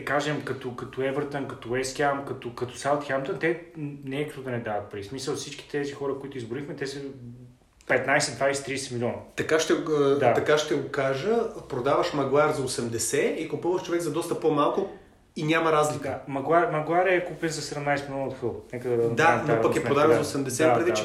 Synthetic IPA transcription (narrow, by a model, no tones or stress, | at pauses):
kaʒɛmkɐt̪okɐt̪oɛvəɾt̪ənkɐt̪owɛskʲamkɐt̪okɐt̪o̥salˠt̪xamt̪ənt̪ɛnɛɛkə̥t̪od̪ɐnɛd̪avɐt̪̚pɾismisəlˠfsit͡ʃkʲi̥t̪ɛzixɔɾəkoit̪ʊizbʊɾixmɛt̪ɛsə | pɛt̪najsɛd̪vajsɛ̥t̪ɾiːsɛmilʲɔnət̪ɐkaʃt̪ɛd̪aɐkaʃt̪ɛɡokaʒəpɾod̪avəʃmɐɡlˠaɾzɐosɛmd̪ɛsɛikʊpuvəʃt͡ʃovɛɡzɐd̪ɔst̪ɐpomalˠkʊ | inʲamɐɾazlikəmɐɡlˠaɾmɐɡlˠaɾɛkupɛnzɐsɛd̪ɛmnajsɛmilʲɔnəot̪xɤlˠnɛkəd̪ɐd̪anɐnaɾpɐkɛp̪ɾod̪avɛnzɐosɛmd̪ɛsɛpɾɛd̪it͡ʃɛ